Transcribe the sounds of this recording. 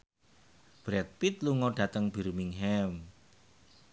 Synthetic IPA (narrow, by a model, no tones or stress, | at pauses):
b̥ɾɛk̚pit̪luŋɔɖ̥ä̤t̪əŋb̥i̤ɾmiŋɦɛm